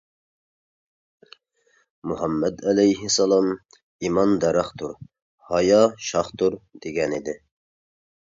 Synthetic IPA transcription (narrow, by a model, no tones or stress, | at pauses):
muɦɑmːɛd̪ɛlɛjɦɪsɑlˠɑm | imɑnd̪ɛɾɑχt̪ʰʊɾ | hɑjɑʃɑχt̪ʰuɾd̪̥eɡʲɛnɪd̪ɪ